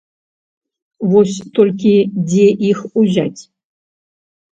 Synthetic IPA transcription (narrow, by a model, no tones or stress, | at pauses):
vosʲt̪ʰolʲkʲidʲeʔixuʑatʲ